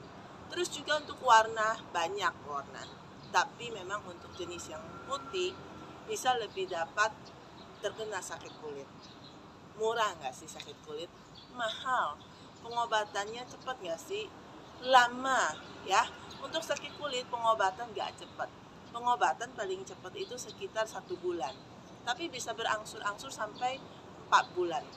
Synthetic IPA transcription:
t̪əɾʊsd͡ʒuɡaunt̪ʊkwarnabaɲakːuarna̰ | t̪apimemaŋunt̪ʊk̚d͡ʒənɪsjaŋput̪ɪh | b̥isaləbɪhdapat̪̚ː | ərkənalsakɪt̪̚kulɪt̪̚ | muɾaŋɡaʔsɪhsakɪt̪̚kulɪt̪̚ | mahal | pəŋobat̪anɲat͡ʃəpət̪̚ŋɡaʔsɪh | lamajaunt̪ʊk̚sakɪt̪̚kulɪt̪̚pəŋobat̪anɡa̰ʔt͡ʃəpət̪̚ | pəŋobat̪anpalɪŋt͡ʃəpət̪it̪usəkit̪arsat̪ubulan | t̪apibisabəɾʔaŋsʊɾʔaŋsʊrsampaj | mpa̰t̪̚bulan

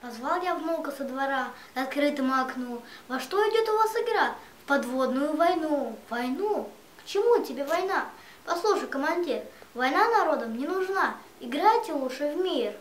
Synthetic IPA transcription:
pɐzvalˠjavmolˠkəsəd̪vɐɾa | ɐt̪̚kɾɨt̪ɨmɐknovɐʂt̪o̞ɪdʲot̪ʊvasɪɡɾafpɐd̪vo̞d̪nʊjʊvɐjnuvɐjnu | kt͡ɕɪmutʲɪbʲevɐjna | pɐslˠuʂəjkəmɐnʲdʲirvɐjnanɐɾo̞d̪əmnʲɪnʊʐna | ɪɡɾatʲɪlˠuʂɨvmʲir

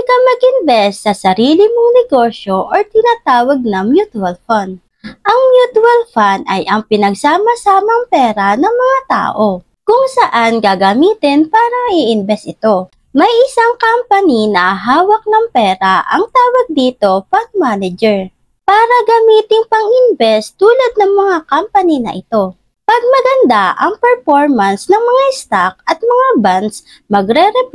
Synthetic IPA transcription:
ɐkɐmɐɡʔɪnbɛstːɐsɐɾiːlɪmoŋnɛɡo̞ːʃjo̞ʔoɹt̪ɪnaːt̪aːwɐɡ̚nɐŋmjut̪ʊɐlfɐnd̪̚ | ʔɐŋmjut̪wɐlfand̪ɐjʔɐŋpɪnɐɡsaːmɐsaːmɐŋpɛːɾɐnɐŋmɐŋat̪a̰ːʔo | kʊŋsɐʔanɡaːɡɐmiːt̪ɪnpaːɾɐmɐʔiʔɪnbɛsʔɪt̪o̞ | mɐjʔɪsaŋkampɐninɐʔɐɦaːwɐk̚nɐŋpɛːɾaʔɐ̰ŋt̪aːwɐɡ̚d̪iːt̪o̞pɐɡ̚maːnɛd͡ʒɛɹ | paːɾɐɡɐmiːt̪ɪŋpɐŋɪnbɛst̪uːlɐd̪̚nɐŋmɐŋakampɐninɐ̰ʔɪt̪o̞ | pɐɡ̚mɐɡɐnd̪aʔɐ̰ŋpɛɹfoɹmɐnsnɐŋmɐŋaɪst̪ak̚ɐt̪̚mɐŋabans | mɐɡɾɛɾɛp

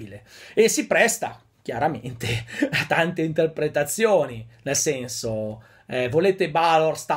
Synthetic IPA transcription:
ileesipɾɛst̪a̰ | k̟jaɾament̪eat̪ːant̪eint̪erpɾet̪at̪sːjoːninelsɛnso | ɛvoleːt̪ebalorst̪a

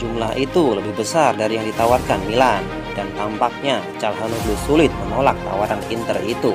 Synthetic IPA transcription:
d͡ʒumlahʔit̪uləbɪhbəsardaɾijaŋdit̪awarkanmilan | dant̪ampak̚ɲa | t͡ʃalɦanublusulɪt̪̚mənolak̚t̪a̰waɾanḭnt̪ə̰rḭt̪u

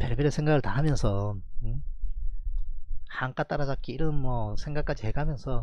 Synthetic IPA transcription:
peɭbeɾesʰeŋɡaɡɯɭtaɦamjʌnsʰʌɯ | haŋk͈at͈aɾad͡ʑak͈iiɾɯnmʌsʰe̞ŋɡak͈ad͡ʑiɦeɡɦamjʌnsʰʌ

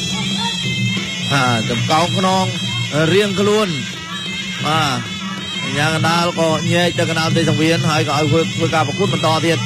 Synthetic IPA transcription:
haːt͡ɕɑmkaɔŋkʰnɔːŋriəŋkʰluən | ɓaː | ʔaɲaːkanɗaəlkɑːɲɛːc̚t̪ɨwkɑnɗaəlt̪eːsaŋʋiənɦaəjkɔːʔaɔjʰəːt̪ʰʋəːkaːpɑkŭət̪̚ɓɑnt̪ɑːt̪iət̪̚

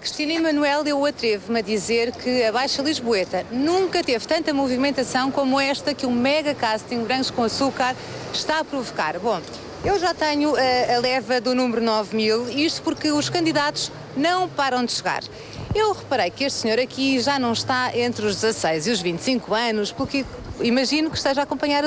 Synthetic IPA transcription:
kɾiʃt̪inɐimɐnuɛlˠewɐt̪ɾevmɐðizeɾkʰɨɐβajʃɐlˠiʒβwet̪ɐnũŋkɐt̪evt̪ɐ̃nt̪ɐmuvimẽnt̪ɐsɐ̃w̃komuɛʃt̪ɐkũmɛɣɐkast̪ĩŋβɾɐ̃ʃkõɐsukaɾ | ʃt̪aɐpɾuvuka̰ɾbõ | ewʒat̪ɐɲuɐːlˠɛvɐðunumɾunɔvmilˠiʃt̪u̥puɾkɨuʃkɐ̃nd̪iðat̪u̥ʒ̥ | nɐ̃w̃paɾɐ̃w̃d̪ɨʃɨɣa̰ɾ | ewʁɨpɐɾɐjkeʃt̪sɲoɾɐkʰiʒanɐ̃w̃ʃt̪aʔẽnt̪ɾuʒd̪zɐsɐjziuʒvĩnt̪sĩŋkuɐnuʃpuɾkɨ | imɐʒinukʃt̪ɐʒaːkõmpɐɲaɾ

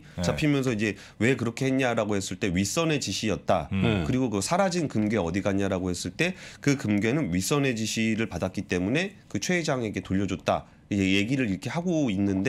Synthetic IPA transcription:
t͡ɕapʰimjʌnsʰʌid͡ʑe̞ | we̞kɯɾʌkʰe̞ɦeɲɲaɾaɡohe̞s͈ɯɭt͈e̞ɥis͈ʌne̞t͡ɕiɕʰijʌt̚t͈akɯɾiɡokɯsʰaɾad͡ʑinkɯmɡe̞ʌdiɡaɲːaɾaɡohe̞s͈ɯɭt͈e̞kɯkɯmɡe̞nɯnɥis͈ʌne̞d͡ʑiɕʰiɾɯɭpadat̚k͈it͈e̞mune̞kɯt͡ɕʰwe̞ːd͡ʑaŋe̞ɡe̞toʎːʌd͡ʑot̚t͈a̰ | id͡ʑeje̞ɡiɾɯɾiɾʌkʰe̞haɡoinːɯnde

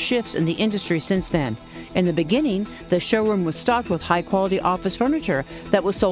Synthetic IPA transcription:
ʃɪftsɨ̰̃nðiʔɪ̃ndɨstɹ̥isɪ̃nsðɨ̃n | ʔɨ̃nðɨbɨɡɪ̃nɪ̃ŋ | ðɨʃoʊɹʉ̃mwʌz̥stɑk̚t̚wəð̥haɪkʰw̥ɑlˠəɾiʔɔfɨsfɜ˞nɨt͡ʃə˞ | ðɨʔ̚wʌz̥soʊ

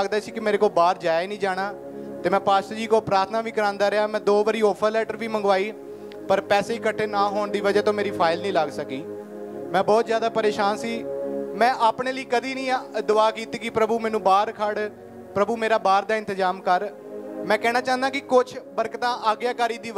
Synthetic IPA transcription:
ɡd̪aːsiːkɪmeːɾeːkoːlbaːɾd͡ʒaːjenĩːd͡ʒaːɽ̃aː | t̪eːmɛ̃ːpaːʃt̪əd͡ʒiːkoːpɾaːɾt̪ʰnaːʋiːkəɾãːnd̪aːɾəaːmɛ̃ːd̪oːʋəɾiːɔːpʰəlɛːʈəɾʋiːməŋɡʋaːiː | pəɾpɛːseːkəʈʰːeːnaːɦoːɳd̪iːʋəd͡ʒɛːt̪õːmeːɾiːpʰaːɪlnĩːləɡsəkiː | mɛ̃ːbɔːt̪zjaːd̪aːpəɾeːʃaːnsiːmɛ̃ːʔaːpɳeːləiːkəd̪iːnĩːd̪ʊaːkiːt̪iːkɪpɾəbuːmɛːnũːbaːɾkʰəɽ | pɾəbuːmeːɾaːbaːɾd̪aːɪ̃nt̪əzaːmkəɾ | mɛ̃ːkɛːnaːt͡ʃãːnd̪aːkɪkʊt͡ʃʰbəɾkt̪ãːʔaːɡjaːkaːɾiːd̪iː

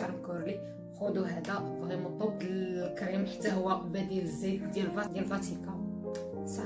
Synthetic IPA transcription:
ɾmkuɾli | xud̪uɦæd̪æʔqɣimut̪ˤːob̚d̪əkɾimħat̪ːæɦʊwːæʔbæd̪iləzːid̪jælfɑd̪jælfɑt̪ikɑ | sˤɑ

